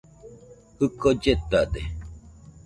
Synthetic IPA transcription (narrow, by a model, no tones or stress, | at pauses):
hɯkod͡ʒet̪ad̪e